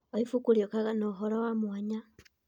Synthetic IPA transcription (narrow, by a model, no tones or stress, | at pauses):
oifukuljokaɣanoɦolowamwaɲa